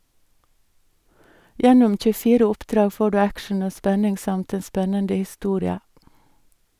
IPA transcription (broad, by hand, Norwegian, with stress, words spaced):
ˈjɛnʊm c͡çʉˈfiːɾə ˈʊpˌdɾɑːɡ ˈfoː ˈɖʉː ˈækʃɳ̩ ˈoː ˈspɛnɪŋ ˈsɑmt ˈeːn ˈspɛnəndə hɪˈstuːɾɪə